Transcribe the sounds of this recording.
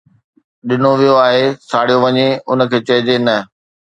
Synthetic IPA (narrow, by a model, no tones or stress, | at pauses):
ɗɪnoʋijoaːɦesaːɽ̤ijoʋɐɲeʊnə̆kʰeːt͡ɕɐɦɪd͡ʑenɐ